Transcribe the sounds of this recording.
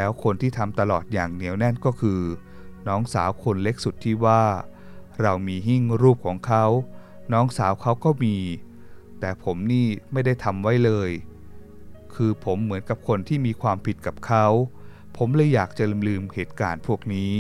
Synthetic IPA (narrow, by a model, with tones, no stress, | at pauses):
lɛː˦˥wkʰo˧nt̪ʰiː˥˩t̪ʰa˧mt̪a˧lɔː˨˩t̪̚jaː˨˩ŋni˩˦wnɛ˥˩nkɔː˥˩kʰɯː˧ | nɔː˦˥ŋsaː˩˦wkʰo˧nle˦˥k̚su˨˩t̪ʰːiː˥˩waː˥˩ | ɾa˧wmiː˧ɦi˥˩ŋɾuː˥˩p̚kʰɔː˩˦ŋkʰa˦˥w | nɔː˦˥ŋsaː˩˦wkʰa˦˥wkɔː˥˩miː˧ | t̪ɛː˨˩pʰo˩˦mniː˥˩ma˥˩jda˥˩jt̪ʰa˧mwa˦˥jlɤː˧j | kʰɯː˧pʰo˩˦mːɯ˩˦ənka˨˩p̚kʰo˧nt̪ʰiː˥˩miː˧kʰwaː˧mpʰi˨˩t̪̚ka˨˩p̚kʰa˦˥w | pʰo˩˦mlɯː˧˥jːaː˨˩k̚t͡ɕa˨˩lmlɯː˧mheː˨˩t̪̚ka̰ː˧npʰu˥˩ək̚niː˦˥